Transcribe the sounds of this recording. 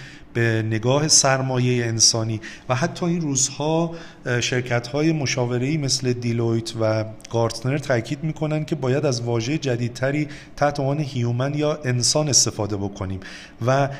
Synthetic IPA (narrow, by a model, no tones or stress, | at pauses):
b̥ene̞ɡɒːhe̞sæɾmɒːje̞jeːnsɒːniːvæɦæt̪ʰːɒːinruːzhɒː | ʃe̞ɾcʰæt̪hɒːje̞mo̞ʃɒːve̞ɾe̞iːme̞sle̞d̪ilojt̪ʰvæɡ̥ɒːɾt̪ne̞ɾt̪ʰæcʰiːd̪miːkʰo̞næncʲʰe̞bɒːjæd̪æzvɒːʒe̞jed͡ʒæd̪iːd̪̚t̪ʰæɾiː | t̪ʰæht̪ʰemɒːnehijumænjɒːʔe̞nsɒːne̞st̪e̞fɒːd̪e̞bo̞kʰo̞niːm | væ